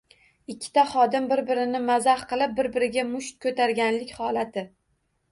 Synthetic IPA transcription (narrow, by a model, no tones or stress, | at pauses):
ɪkʲʰːɪ̥t̪aχɒd̪ɪmbɪɾbɪɾɪnɪmazahqʰɨlˠɪp̚bɪɾbɪɾɪɡʲamʊʃt̪̚kʰɵt̪ʰaɾɡʲanlɪkʲχɒlat̪ʰɪ